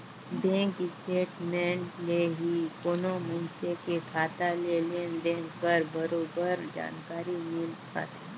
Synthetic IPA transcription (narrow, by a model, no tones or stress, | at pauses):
bɛ̃ːŋkɪsʈeːʈmɛ̃ːɳleɦikoːnomɐnt͡ʃekekʰaːt̪alelend̪ẽːŋkəɾbɐɾoːbəɾd͡ʒa̰ːnkaːɾimɪlka̰ːt̪ʰi̥